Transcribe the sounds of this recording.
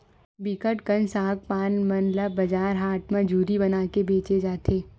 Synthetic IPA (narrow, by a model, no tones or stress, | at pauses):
bikəʈkənsaːkpaːnmɐnləbɐd͡ʒaːɾɦaːʈmãd͡ʒuːɾibɐnaːkebeːt͡ʃed͡ʒaːt̪ʰeː